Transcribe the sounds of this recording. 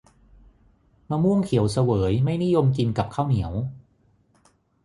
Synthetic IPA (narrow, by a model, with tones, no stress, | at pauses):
maː˧mu˥˩əŋkʰi˨˩˦wsa˧wɤː˩˦jma˥˩jni˦˥˩jo˧mki˧nka˨˩p̚kʰaː˥˩wni˩˦əw